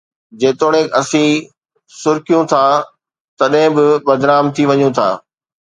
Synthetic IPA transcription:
d͡ʑeːt̪oːɽ̃ẽkɐsĩ | sʊɾkijũt̪ʰaː | t̪ɐɗɦɪ̃bɪbɐd̪ɾaːmt̪ʰiʋɐɲũt̪ʰa̰ː

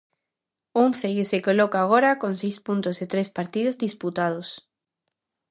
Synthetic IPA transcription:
õnθekesekolokaːɣ̞oɾakonsejspunt̪oset̪ɾespaɾt̪iðozðisput̪að̞os

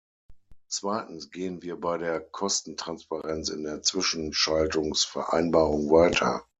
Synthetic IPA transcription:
t͡sv̥aɪtn̩sɡ̥eːənviːɐbaɪɾeːɐkʰɔstn̩tʁ̥anspaʁɛnt͡sɪ̰ndeːɐt͡sv̥ɪʃn̩ʃaltʊŋsfɛɐʔa̰ɪnbaːʁʊŋvaɪtʰɐ̰

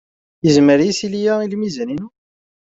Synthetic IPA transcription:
jəzməɾjisilijæilmizəninu

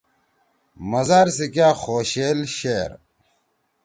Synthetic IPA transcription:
mɐzaːɾsikaːxoːɕeːlɕeːɾ

